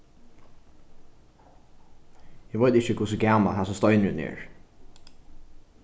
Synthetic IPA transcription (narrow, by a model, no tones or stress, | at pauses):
ɛʋœʏt̪ɪçəkʰʊsəɡæːma̰hasɔst̪ɔʏnʉ̰nḛːɹ